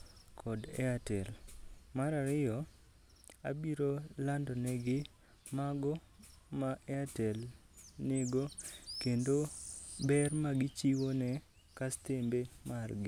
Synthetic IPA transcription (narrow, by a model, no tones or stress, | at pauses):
kʰɔdɛ̰atɛlmaɾaɾɪjɔ | abiɾolandɔnɛɡɪ | maɡɔ | maʔɛatɛl | nɪɡokendobɛrmaɡɪt͡ʃiwonɛ | kast̪embemarɡɪ